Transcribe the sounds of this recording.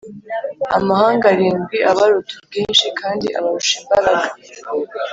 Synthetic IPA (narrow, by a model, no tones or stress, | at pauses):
a̰mahaːŋɡaɾiːŋɡwiʔaβaɾutub̚ɡiːnʃikʰaːndiʔa̰βaɾuʃiβaɾaɡa